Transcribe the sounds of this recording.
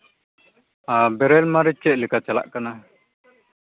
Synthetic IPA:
abɛɾɛlmaɾit͡ʃ̚kɛʔ̪̚likat͡ʃala̰ʔkana

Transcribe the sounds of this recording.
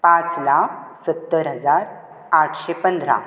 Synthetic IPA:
pãt͡slaksət̪ːəɾɦəd͡zaɾ | aʈʰɕepənd̪ɾa̰

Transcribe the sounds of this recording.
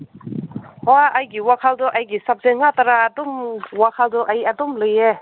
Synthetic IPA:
hɔajɡiwakʰaldɔʔajɡisap̚zeŋataɾaːdɔmwakʰaldɔʔajadɔmlɯje

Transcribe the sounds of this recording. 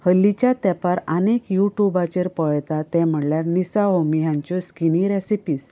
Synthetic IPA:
həlːit͡ɕjat̪ɛpaɾanekjuʈjubat͡ɕeɾpəɭjt̪at̪ɛ̃m̤əɽljaɾnisaɦomijãɲt͡ɕɔskiniɾesipiːs

